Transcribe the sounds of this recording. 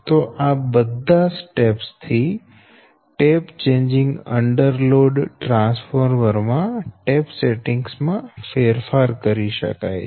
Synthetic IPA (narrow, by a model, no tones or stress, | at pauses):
t̪oʔabəd̪ʱasʈepst̪ʰi | ʈept͡ʃẽɲd͡ʒɪ̃ŋɡəɳɖəɾloɖʈɾãnsfəɾʋəɾmãʈepseʈɪŋɡsmãfeɾfaɾkəɾiʃə̰ka̰j